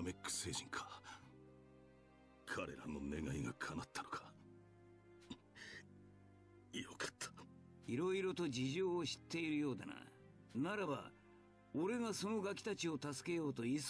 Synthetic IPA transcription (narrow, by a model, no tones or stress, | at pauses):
mekːɯ̥se̞ːʑĩŋkʰḁ | kʰaɾe̞̰ɾa̰no̞̰ne̞ɡaiɡakʰanat̪ːano̥kʰḁ | ijokḁt̪ʰːḁ | iɾo̞iɾo̞t̪o̞d͡ʑiʑo̞ːɕi̥t̪ːe̞iɾɯ̟jo̞ːd̪a̰na̰ | naɾaba̰ | o̞ɾe̞ɡaso̞no̞ɡakʲi̥t̪at͡ɕio̞t̪asɨ̥ke̞jo̞ːt̪o̞is